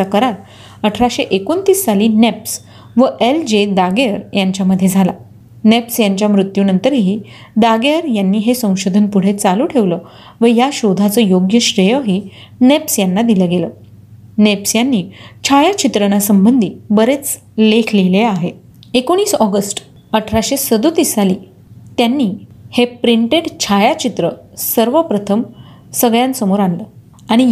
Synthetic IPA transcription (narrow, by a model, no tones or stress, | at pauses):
akəɾaɾ | əʈʰɾaɕeʔekont̪iːsːaliːneps | ʋəʔeld͡ʑed̪aɡeəɾjaɲt͡ɕjaməd̪ʱːjed͡zʱala̰ | nepsjaɲt͡ɕjamɾut̪juːnənt̪əɾɦiː | d̪aɡeəɾjanːiːɦesə̃w̃ɕod̪ʱənpuɽ̤et͡saluːʈʰeʋlə | ʋəjaɕod̪ʱat͡səːjoɡjəɕɾəjəɦiːnepsjanːad̪iləɡeləː | nepsjanːiːt͡ɕʰajat͡ɕit̪ɾənasəmbənd̪ʱiːbəɾet͡s | lekʰleleaɦe | ekoɽ̃iːsɔɡəsʈ | əʈʰɾaɕesəd̪ut̪isaliː | t̪janːiːhepɾiɳʈeɽt͡ɕʰajat͡ɕit̪ɾəsəɾʋəpɾət̪ʰəm | səɡɭjansəmoɾanləː | aɽ̃i